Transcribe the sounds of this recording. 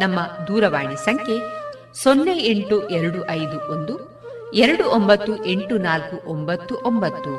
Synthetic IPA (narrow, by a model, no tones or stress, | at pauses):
nɐmːɐd̪uːɾɐʋaːɳisɐŋkʰe | sonːeeɳʈuʔɛɾɐɽuʔɐjd̪uond̪u | eɾɐɽuʔombɐt̪ːuʔe̞ɳʈunaːlkuʔombɐt̪ːuʔombɐt̪ːu